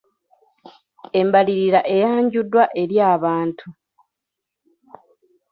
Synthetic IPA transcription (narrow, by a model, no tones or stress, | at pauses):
e̞mbaliɾiɾaʔe̞jaːɲɟudːwaʔe̞ɾjaːβaːntʰu